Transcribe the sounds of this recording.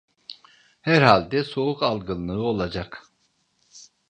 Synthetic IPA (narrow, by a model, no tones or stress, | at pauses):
hæɾhalʲd̪ɛso̞ukalˠɡɯnˠːɯo̞lˠad͡ʒak